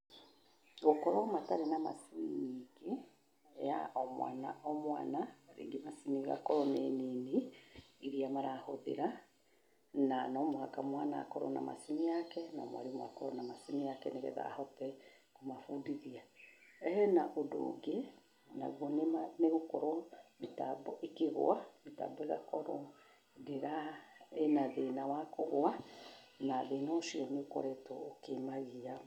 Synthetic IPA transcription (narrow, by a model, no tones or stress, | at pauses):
ɣokɔɾwamataɾenama̰siniɡe | ja̰ʔɔmwa̰naʔɔmwa̰ːnaaɾḛːŋɡemasimiɣa̰kɔɾɔneniniiɾiamaɾahoðḛɾa | nanɔmoakamwanakɔɾɔ̰na̰ma̰simijakɛnɔ̰mwa̰ɾimwa̰kɔɾɔnamasimijakɛneɣɛ̰ða̰hɔtɛ | komafudiðiaɛhɛnaʔodo̰ɡe | na̰ɣɔnemaneɣokoɾɔmeta̰bɔʔekeɣo̰ameta̰bɔeɣa̰kɔɾɔ | deɾaenaðenawakoɣoa | naðenɔoʃiɔneokɔ̰ɾɛtookemaɣia